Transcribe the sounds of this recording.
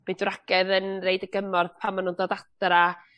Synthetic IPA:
b̥idraɡ̥ɛðənrejdəɡəmɔrðpʰamːanʊndɔdatɾa

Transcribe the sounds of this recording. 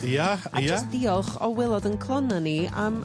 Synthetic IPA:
jaa̰d͡ʒasd̥iːɔlˠχɔwɛlˠɔdənkʰlˠɔnaniəm

